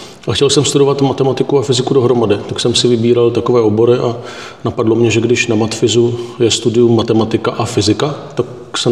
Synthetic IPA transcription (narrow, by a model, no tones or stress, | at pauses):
ʔaxcɛlsɛmst̪udo̞vat̪mat̪ɛmat̪ɪkuafɪzɪkudo̞ɦɾo̞madɪt̪aksɛmsɪvɪbiːɾalt̪ako̞vɛːo̞bo̞ɾɪʔa | napadlo̞mɲɛʒɛɡdɪʃnamat̪fɪzujɛst̪udɪjumːat̪ɛmat̪ɪkaʔafɪzɪkat̪ak | sɛ